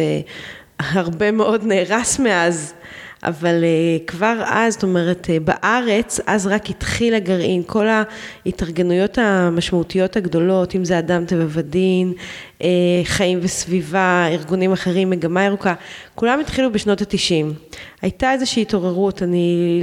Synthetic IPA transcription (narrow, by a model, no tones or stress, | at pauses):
e | haʁbe̞meʔo̞dneːʁasmeaz | ʔa̰valekvaʁa̰zto̞me̞ʁetba̰ʔaʁe̞t͡sa̰zʁakitχilaɡaʁʔinkʰo̞laitaʁɡe̞nujo̞tamaʃmautijo̞thaɡdo̞lo̞timzeadamtevavadin | ʔeχaimvesvivaiʁɡunimaχeʁimːeɡamaiʁukakulamitχilubeʃno̞tatiʃimajtae̞zeʃiːto̞ʁe̞ʁutani